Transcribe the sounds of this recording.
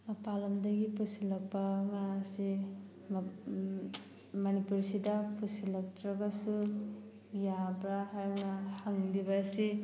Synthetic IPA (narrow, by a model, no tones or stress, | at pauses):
mɐpalɐmdɐɡipusilɐk̚pɐŋasi | mɐnipuɾsidɐpʰusilɐk̚tɾɐɡɐsu | jabɾaɦaɾnahaŋdibɐsi